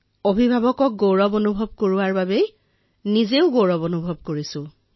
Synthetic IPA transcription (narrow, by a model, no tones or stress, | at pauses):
obʱibʱabɔkɔk̚ɡoɹɔbonubʱɔb̚koɹuwaɹbabej | nizeʊɡoɹɔbonubʱɔb̚koɹisʊ̃